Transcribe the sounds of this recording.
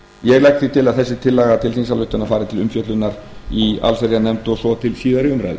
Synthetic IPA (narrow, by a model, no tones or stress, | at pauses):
jɛɣlɛjkt̪θit̪ʰɪlaðθɛsːɪt̪ʰɪlːaɣat̪ʰɪlθinsalʏht̪ʏnafaːɾɪt̪ʰɪlʏmfjœt̪lʏnːaɾ | ia̰lfɛɾjanɛmt̪ɔsɔt̪ʰɪlsiːðaɾɪʏmɾa̰ðʏ